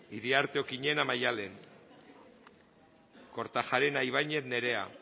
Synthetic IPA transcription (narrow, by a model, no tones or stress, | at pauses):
iɾiaɾt̪eokiɲe̞namajale̞n | ko̞ɾt̪axaɾenajβajɲe̞t̪ne̞ɾe̞a̰